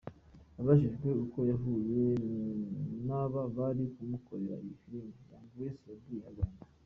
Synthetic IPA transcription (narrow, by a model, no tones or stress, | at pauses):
aβaʃ̬iʒɡwe̞uko̞jaɦuje | naβaβaɾikumukoɾeɾa̰ijifiɾimejaːŋɡujesiβabɡihaɡana